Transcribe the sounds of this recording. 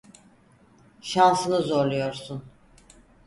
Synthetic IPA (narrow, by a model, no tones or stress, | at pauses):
ʃansɯnɯzo̞ɾlˠujo̞ɾsun